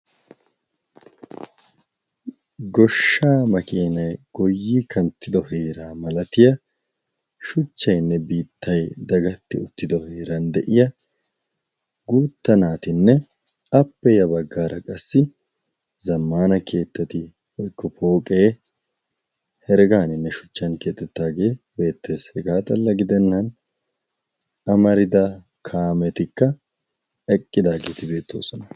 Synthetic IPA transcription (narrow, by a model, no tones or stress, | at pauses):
ɡɔʃːaːmɐkʼeːnɐjɡ̥ɔjːikʰɐnt̪ːɪd̪ɔheːɾaːmɐlɐt̪ɪjɐ | ʃʊt͡ʃːɐjnːɛbiːt̪ːɐjd̪ɐɡɐt̪ːɪʊt̪ːɪd̪ɔheːɾɐnd̪ɛʔɪjɐ | ɡuːt̪ːɐnaːt̪ɪnːɛ | ɐpːɛjɐbɐɡːaːɾʔɐkʼɐsːɪ | zɐmːaːnɐkʰe̞ːt̪ːɐt̪ɪ | hɔjkːɔpʰo̞ːkʼe̞ː | hɛɾɡaːnɪnːɛʃʊ̥t͡ʃːɐnke̞ːt̪ːɛt̪ːaːɡe̞ː | be̞ːt̪ʰːe̞ːshɛɡaːt̪ʼɐlːɐɡɪd̪ɛnːɐn | ɐmɐɾɪd̪ɐ | kʰaːmɛt̪ɪkːɐ | ɛkʼːɪd̪aːɡeːt̪ɪbe̞ːt̪ːo̞̰ːsɔnɐ̥